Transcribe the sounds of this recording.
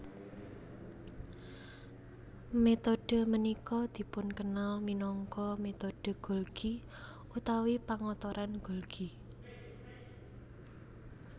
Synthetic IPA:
met̪oɖ̥ə̤mənikɔd̪̥i̤pʊnkənalminɔŋkɔmet̪oɖ̥ə̤ɡ̥o̤lɡ̥i | ut̪awipaŋɔt̪ɔɾʔanɡ̥o̤lɡ̥i

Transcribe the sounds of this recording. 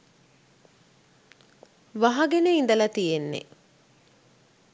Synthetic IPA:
ʋaɦɐɡeneind̪ɐlɐt̪ijenːḛ

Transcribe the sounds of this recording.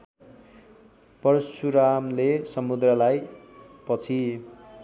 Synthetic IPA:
pʌrsuɾamlesʌmud̪rʌlajpʌt͡sʰi

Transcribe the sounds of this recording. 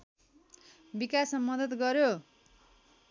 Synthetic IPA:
bikasmamʌd̪ʌt̪ɡʌɾjo

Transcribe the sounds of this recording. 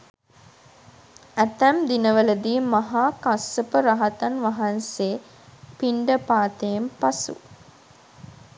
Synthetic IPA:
æt̪æmd̪inəʋələd̪iːmaɦaːkasəpəɾaɦat̪anʋaɦanseː | piɳɖəpaːt̪ejempasṵ

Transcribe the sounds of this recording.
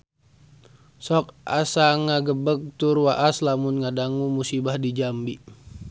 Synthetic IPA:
sɔk̚a̰saŋaɡəbək̚t̪urwaʔaslamunŋadaŋumusibahdid͡ʒambi

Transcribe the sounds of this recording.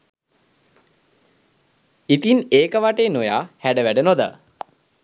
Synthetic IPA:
it̪ineːkəʋaʈeːnoja̰ːhæɖəʋæɖənod̪ə̰

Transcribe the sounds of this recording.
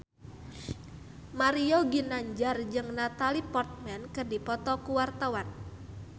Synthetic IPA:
maɾioɡinaɲd͡ʒard͡ʒɨŋnat̪alipɔrt̪̚mɛnkɨrdipɔt̪ɔkuwart̪awan

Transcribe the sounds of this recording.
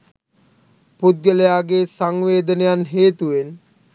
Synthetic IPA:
pud̪̚ɡələjaːɡesaŋʋeːd̪ənejanɦeːt̪uʋen

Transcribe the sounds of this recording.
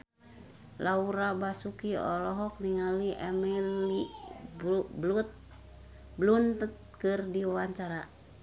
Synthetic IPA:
lauɾabasukiɔ̰lɔɦɔk̚niŋaliʔɛmɛi | blut̪̚ | blunt̪ət̪̚ | kɨrdiwawaɲt͡ʃaɾa

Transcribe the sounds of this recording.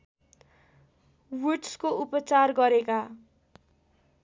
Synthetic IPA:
wiʈskoupʌt͡sarɡʌɾeka

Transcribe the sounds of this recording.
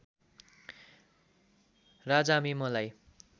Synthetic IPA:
rad͡zamimʌlaj

